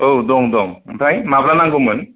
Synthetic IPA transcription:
owdɔŋdɔŋtʰajmaplanaŋɡɯmɯn

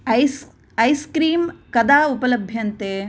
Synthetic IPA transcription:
ɐj | ɐjskɾiːmkɐd̪aːupɐlɐbʱjɐnt̪eː

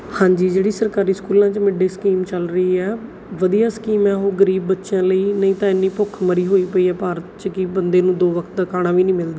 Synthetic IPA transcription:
hãːɲd͡ʒiːd͡ʒeːɽiːsəɾkaːɾiːskuːlãːt͡ʃmɪɖeːskiːmt͡ʃəlɾəiːɛː | ʋəd̪ijaːskiːmɛːɦoːɡəɾiːbːət̪ːʃjãːləiːnəĩːt̪ãːɪnːiːpʊkʰməɾiːɦoːiːpəiːɛːpaːɾət̪t͡ʃkɪbənd̪eːnũːd̪oːʋəkʰt̪̚d̪əkʰaːɽãːʋiːnĩːmɪld̪aː

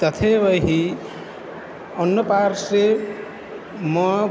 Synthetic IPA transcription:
t̪ʌt̪ʰebʌɦi | ʌnːʌpaɾsɾe | mʌ

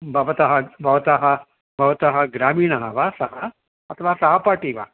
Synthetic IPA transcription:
bʱɐʋɐt̪ɐɦɐbʱɐʋɐt̪aɦɐ | bʱɐʋɐt̪aɦɐɡɾaːmiːnɐɦɐʋasɐɦɐ | ɐt̪ʰɐʋaːsɐɦɐpaːʈiːʋa̰

